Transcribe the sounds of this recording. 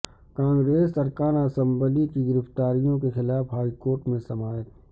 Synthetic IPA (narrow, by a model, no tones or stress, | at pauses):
kãːŋɡɾeːsːɐɾkaːnaːsə̃mbəlikiɡɪɾɪft̪aːɾijõkexɪlaːfɦaːikoːɾʈmẽsɐmaːət̪